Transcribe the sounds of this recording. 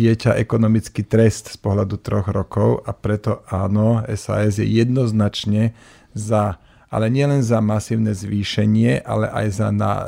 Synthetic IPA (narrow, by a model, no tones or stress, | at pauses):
ɪɛcaʔɛkɔnɔmit͡skit̪ɾɛst̪spɔɦlad̪ut̪ɾɔɣɾɔkɔʊapɾɛt̪ɔaːnɔɛ̰sa̰ɛzjɛ̰jɛd̪nɔznat͡ʃɲɛ | za | ʔa̰lɛɲɪɛlɛnzamasiːʊnɛzʋiːʃɛɲɪɛʔa̰lɛʔa̰jza̰na̰